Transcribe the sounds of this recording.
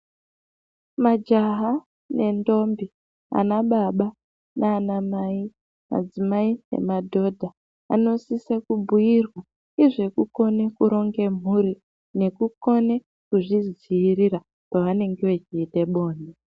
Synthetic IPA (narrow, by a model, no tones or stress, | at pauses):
mad͡ʒaɦa | ne̞ndo̞mbi | a̰naɓaɓa | nʔaːnamai | ma̰d͡zimaine̞̰madʱo̞dʱa | a̰no̞sisekubʱujirwa | iʐe̞kuko̞ne̞kuɾo̞ŋɡe̞m̤uɾi | ne̞kuko̞ne̞ | kuʐiziiɾiɾa | paʋane̞ŋɡeʋe̞t͡ʃiːte̞ɓo̞ːne